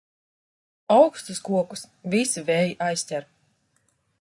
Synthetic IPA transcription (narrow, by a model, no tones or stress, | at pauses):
awkst̪uskuɔkus | visivɛːjiʔajsʲt̪ʲɛɾ